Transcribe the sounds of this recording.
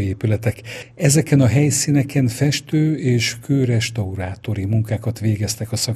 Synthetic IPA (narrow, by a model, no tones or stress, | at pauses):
eːpylɛt̪ɛkɛzɛkɛnɒɦɛjsiːnɛkɛnfɛʃt̪øːeːʃkøːɾɛʃt̪ɒuɾaːt̪o̞ɾimuŋkaːkɒt̪ʋeːɡɛst̪ɛkɒsɒ